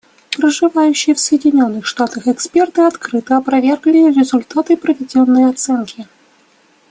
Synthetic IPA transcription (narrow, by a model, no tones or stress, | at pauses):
pɾəʐɨvajʉɕːɪjəfsəjɪdʲɪnʲo̞nːɨxʂt̪at̪əxɛkspʲe̞rt̪ɨɐt̪kɾɨt̪əɐpɾɐvʲe̞rɡlʲɪrʲɪzʊlʲt̪at̪ɨpɾəvʲɪdʲo̞nːəjɐt̪sɛnkʲɪ